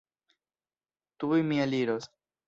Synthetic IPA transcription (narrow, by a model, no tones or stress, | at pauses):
t̪ujmialiɾos